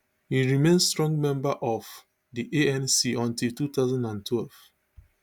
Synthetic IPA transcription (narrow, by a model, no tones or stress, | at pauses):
hiɹimẽnstɹɔ̃ŋɡmɛ̃mbaʔɔv̥ | diʔeɛ̃nsiɔ̃ntiltutaʊzãndãntʰwɛlv